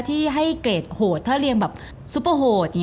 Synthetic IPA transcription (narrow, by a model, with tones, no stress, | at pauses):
t̪ʰiː˥˩ɦa˥˩jkleː˨˩t̪̚hoː˨˩t̪ʰːaː˥˩ɾi˧əŋbɛː˨˩p̚ | su˧˦˥pːə˧ɦoː˨˩t̪̚j